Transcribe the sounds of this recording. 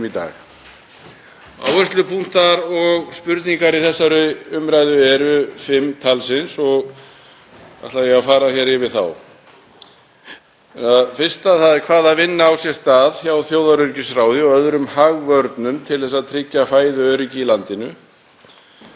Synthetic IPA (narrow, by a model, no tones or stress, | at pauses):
it̪a̰ːx | a̰wœst̪lʏpʰuŋ̥t̪aɾɔɣspʏɾt̪niŋkaɾiθɛsːaɾʏʏmɾajðʏɛɾʏfɪmːt̪ʰalsɪnsɔɣ | a̰t̪lajɛɣafaːɾaçɛɾɪvɪðθa̰w | ɛnafɪr̥st̪aθaðɛɾkʰvaːðavɪnːaawsjɛst̪aːðçawθjoːwðaɾʏɾcɪsɾaːwðɪɔɣœðɾʏmhaɣvœɾt̪nʏmt̪ʰɪlθɛsːaðt̪ʰɾɪcːafaːjðʏœːɾɪcɪːlant̪ɪnʏ